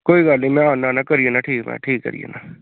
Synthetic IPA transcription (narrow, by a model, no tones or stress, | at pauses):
koːiɡaːlnẽĩmɛ̃ãːnanaːkəɾienaːʈʰiːkmɛ̰̃ːʈʰiːkːə̰ɾḭḛːnaː